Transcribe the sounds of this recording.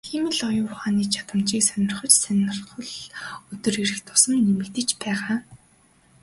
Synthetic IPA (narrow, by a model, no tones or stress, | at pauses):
ximɘ̆ɮɔjʊːχaːniːt͡ɕʰḁt̪ə̆mt͡ɕiːksœnʲɪ̆rχɞ̆t͡ɕsœnʲɪ̆rχɞ̆ɮɵt̪ɵ̆riɾɘ̆xt̪ʰʊ̥sə̆mːemɘ̆kt̪ɘ̆t͡ɕpæːʁaː